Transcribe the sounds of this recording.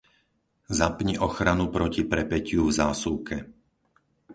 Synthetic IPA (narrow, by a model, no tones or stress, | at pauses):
zapɲiʔɔxɾanupɾɔcipɾɛpɛcɪuvzaːsuːkʰɛ